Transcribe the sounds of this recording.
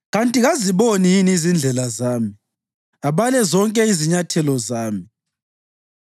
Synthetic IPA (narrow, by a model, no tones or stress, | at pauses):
ɣantʼiɣaziβonijinizind͡ɮʱɛlazaːmi | aβalɛzɔŋkʼɛiziɲatʰɛlɔzaːmi